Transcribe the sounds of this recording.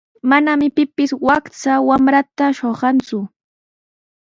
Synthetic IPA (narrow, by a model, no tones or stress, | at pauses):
manamɪpɪpɪswakt͡sawamɾat̪aʃoɢɑnt͡sʊ